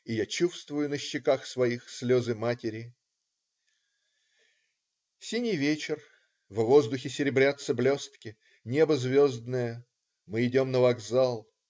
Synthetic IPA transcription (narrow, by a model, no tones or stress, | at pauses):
ɪjat͡ɕufst̪vʊjʊnəɕːɪkaxsvɐixsʲlʲozɨmatʲɪɾʲɪ | sʲinʲɪjvʲet͡ɕɪr | vvo̞zd̪ʊxʲɪsʲɪɾʲɪbɾʲat̪səblʲo̞st̪kʲɪ | nʲe̞bəzvʲozd̪nəjə | mɨɪdʲo̞mnəvɐɡzalˠ